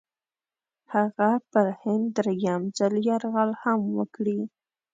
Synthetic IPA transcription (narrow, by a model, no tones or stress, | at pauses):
haɣapəɾhɪnd̪ːɾaɡamzəljɑɾɣɑlhamwəkɽi